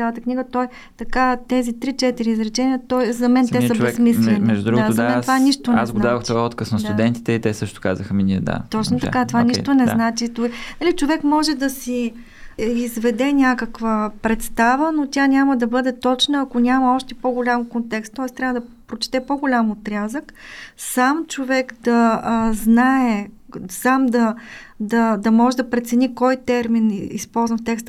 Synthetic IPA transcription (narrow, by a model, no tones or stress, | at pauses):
alˠət̪əkniɡət̪ɔj | t̪ɐkat̪ɛzit̪ɾit͡ʃɛt̪iɾiːzɾɛt͡ʃɛnʲiət̪ɔizɐmɛnɛəbɛsmislɛnimɛʒd̪ud̪ɾuɡzmɛnovaniʃt̪onasɡ̪ad̪avəxtt͡ʃ̪ɔjɔt̪kəsnɐst̪uɛnt̪i̥t̪ɛit̪ɛsɤʃt̪ʊ̥ka̰zəxəminiɛd̪a̰t̪ɔt͡ʃnot̪ɐkat̪ovaniʃt̪onɛznat͡ʃit̪onɐlit͡ʃovɛkmɔʒɛd̪ɐsi | izvɛd̪ɛnʲakəkvəpɾɛt̪st̪avənotʲanʲaməd̪ɐbɤd̪ɛt̪ɔt͡ʃnəːkonʲamɐɔʃt̪ɛpoɡolʲamkont̪ɛkst̪ːɔɛst̪ɾʲavəd̪ɐpɾot͡ʃɛ̥t̪ɛpoɡolʲamot̪ɾʲazəksamt͡ʃovɛkd̪ɐznaɛ | samd̪ɐd̪ɐd̪ɐmɔʒɛd̪ɐpɾɛt̪sɛnʲikɔjt̪ɛɾminḭspɔlˠzvəft̪ɛkst̪